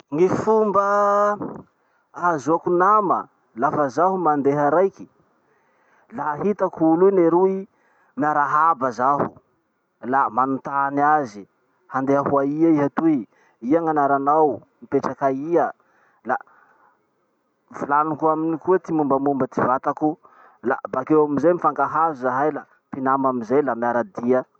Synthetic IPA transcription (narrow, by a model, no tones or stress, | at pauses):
ŋifumbə | aazuakunamə̰ | lafəzaɦumand̪eɦəɾajki̥ | laːɦit̪akulujneɾui | miaɾaɦabəzaɦu | lamanut̪aniazi | hand̪eaɦuaiaiɦat̪ui | iaŋanaɾanaw | mipeʈ͡ʂakaiə | la | vulanukuaminikuat̪imumbamumbət̪ivat̪aku | la̰bakewamizejmifaŋkaɦazizaɦajla | pinamamizejlamiaɾad̪iə